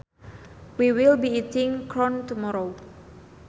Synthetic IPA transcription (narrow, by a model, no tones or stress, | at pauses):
wiwilbiit̪ʰɪŋkɾɔnt̪umɔɾo